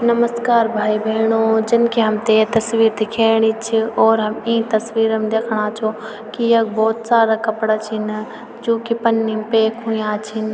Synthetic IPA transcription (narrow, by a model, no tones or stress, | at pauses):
nɐməskaːɾbʱaːibʱeːɽ̃oːd͡ʒɪnkʰeɦɐmt̪et̪ɐsʋiːɾt̪ikʰeːɽ̃it͡ʃʰɪɔːɾɦɐmĩːt̪ɐsʋiːɾəmd̪eːkʰəɽ̃aːt͡ʃʰo | kijɐɡbɔːt̪saːɾakɐpɽat͡ʃʰɪn | d͡ʒõːkipɐnːimpeːkɦũːĩjãːt͡ʃʰɪn